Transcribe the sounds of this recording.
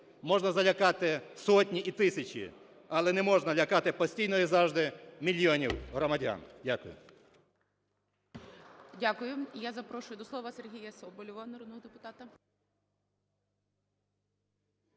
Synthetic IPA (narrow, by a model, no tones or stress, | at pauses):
mɔʒnɐzɐlʲɐkɑt̪ɪsɔtʲnʲiʔit̪ɪsʲɐt͡ʃʲḭ | ɐlˠɛnɛmɔʒnɐlʲɐkɑt̪ɪpɔsʲtʲijnɔjizɑʒd̪ɪmʲilʲiɔnʲiwɦɾɔmɐdʲa̰ndʲakʊjʊ̰ | dʲakʊjʊjazɐpɾɔʃʊjʊd̪ɔsˠɔʋɐserɦʲijɐsɔbɔlʲʊʋɐnɐɾɔd̪nɔɦɔd̪epʊt̪ɑt̪ɐ